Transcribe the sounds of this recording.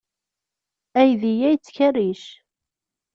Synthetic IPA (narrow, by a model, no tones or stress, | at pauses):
æjðijæjt͡sːçərːiʃ